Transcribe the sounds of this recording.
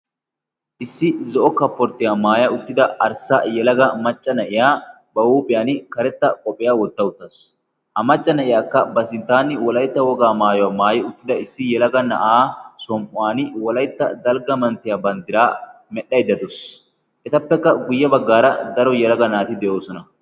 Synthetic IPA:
ʔɪsːɪzɔʔɔkːɐpːɔɾt̪ːɪjaːmaːjɐʊt̪ːɪd̪ɐɐɾsɐjɛlɐɡɐmɐt͡ʃʼːɐnɐʔɪjaː | bɐwuːpʼɪjaːnɪkɐɾɛt̪ːɐkʼɔpʼːɪjaːwɔd̪ːɐʊt̪ːɐs | hɐmɐt͡ʃʼːɐnɐʔɪjaːkːɐbɐsɪnt̪ːaːnːɪwɔlɐjt̪ːɐwɔɡaːmaːjɔwaːmaːjɪʊt̪ːɪd̪ɐɪsːɪjɛlɐɡɐnɐ̰ʔaːsɔmpʼʊaːnɪwɔlɐjt̪ːɐ̰d̪ɐlɡɐmɐnt̪ːɪjaːbɐnd̪ɪɾaː | mɛɗːɐjd̪ɐd̪ɔs | ʔɛt̪ɐpːɛkːɐɡʊjːɐbɐɡːaːɾɐ̰d̪ɐɾɔjɛlɐɡɐnaːt̪ɪd̪ɛʔo̞ːsɔnɐ

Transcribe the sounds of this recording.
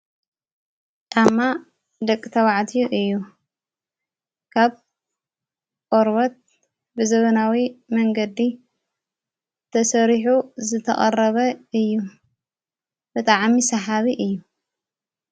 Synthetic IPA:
d̪ʰʼamːa | d̪ɐkʼt̪ʰɐβaʕt̪ʰijuʔɨjːu | kʰaβ | kʼoɾβɐt̪̚ | bɨzɐβɐnawimɐŋɡɐd̪i | t̪ʰɐsɐɾiħuzɨt̪ʰɐ̰χʼɐrɐβɐɨjːu | b̥ɨt̪ʼaʕmisɐħaβiʔɨjːu

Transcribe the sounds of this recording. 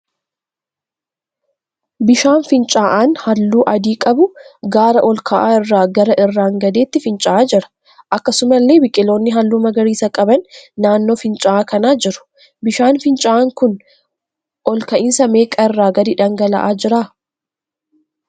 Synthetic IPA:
bɪʃaːnfɪnt͡ʃʼaːʔaːnhɐlːuːʔɐd̪iːkʼɐbʊɡaːɾɐʔɔlkɐʔaːɪrːaːɡɐɾɐʔɪrːaːŋɡɐd̪e̞ːt̪ːɪfɪnt͡ʃʼaaːd͡ʒɪɾɐ̥ | ʔɐkːɐsʊmɐlːe̞ːbɪkʼːɪlo̞ːnːɪɦɐlːuːmɐɡɐɾiːsɐkʼɐbɐnːaːnːo̞ːfɪnt͡ʃʼaʔaːkɐnaːd͡ʒɪɾʊ̥ | bɪʃaːnfɪnt͡ʃʼaʔaːŋkʊn | ʔɔlkɐʔɪnsɐme̞ːkʼɐɪrːaːɡɐd̪ɪᶑɐŋɡɐlɐ̰ʔaːd͡ʒɪɾaː

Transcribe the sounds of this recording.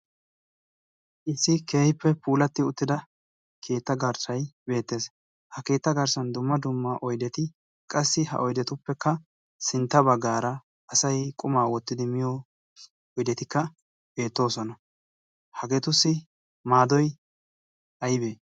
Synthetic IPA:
ʔɪsːɪkeːhɪpːɛpuːlɐt̪ːɪʊt̪ːɪd̪ɐ | kʰe̞ːt̪ːɐɡɐɾsɐjbe̞ːt̪ːe̞ːs | hɐke̞ːt̪ːɐɡɐɾsɐnd̪ʊmːɐd̪ʊmːaʔɔjd̪ɛt̪ɪ | kʼɐsːɪhɐ̰ʔɔjd̪ɛt̪ʊpːɛkːɐ | sɪnt̪ːɐbɐɡːaːɾɐ | ɐsɐjkʼʊmaːwɔt̪ːɪd̪ɪmɪjɔ | ɔjd̪ɛt̪ɪkːɐ | be̞ːt̪ːo̞ːsɔnɐ | hɐɡe̞ːt̪ʊsːɪ | maːd̪ɔj | ʔɐjɪbeː

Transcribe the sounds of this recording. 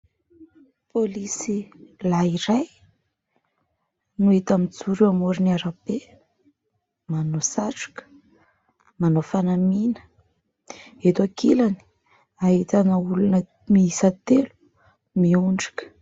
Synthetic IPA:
polisilaiɾaj | nuet̪amit͡suɾuamuɾiniaɾape | manosaʈ͡ʂu̥kə̥ | manofanaminə̥ | et̪akilani̥ | aɦit̪anəulunə | miisət̪elu̥ | miuɳɖ͡ʐḁkʲə̥

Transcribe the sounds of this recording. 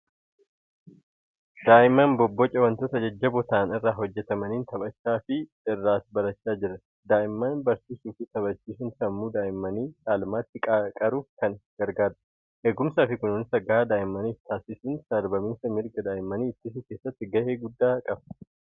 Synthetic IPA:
d̪̥aːʔɪmːɐnbɔbːɔt͡ʃʼɐwɐnt̪oːt̪ɐd͡ʒɐd͡ʒːɐbɔt̪aːnɪrːaːɦɔd͡ʒːɛt̪ɐmɐniːnt̪ɐbɐt͡ʃːaːfɪ | ɪrːaːsbɐɾɐt͡ʃːaːd͡ʒɪɾɐ | d̪aːʔɪmːɐnbɐɾsiːsuːfɪt̪ɐbɐt͡ʃːiːsɪnsɐmːuːd̪aːʔɪmːɐniːt͡ʃʼaːlmaːt̪ːɪkʼkʼɐɾʊkɐnɡ̥ɐɾɡaːd̪ɐ̥ | heːɡʊmsaːfɪkʊnoːnɪsɐɡaːd̪aːʔɪmːɐniːft̪ʰaːsɪsʊːnsɐɾbɐmiːsɐmɪɾɡɐd̪aːʔɪmːɐniːɪt̪ːɪsɪke̞ːsːɐt̪ːɪɡɐʔeːɡʊd̪ːaːkʼɐb

